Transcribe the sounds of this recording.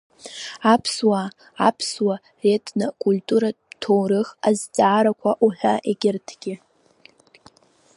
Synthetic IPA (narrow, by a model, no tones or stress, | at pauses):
apʰswaː | pʰswa | re̞tʰʼnakʼultʼuɾatʰowɾɨxazt͡sʼaːɾakʷʰaʔuħʷᶣaʔeɡʲɪrtʰɡ̥ʲɪ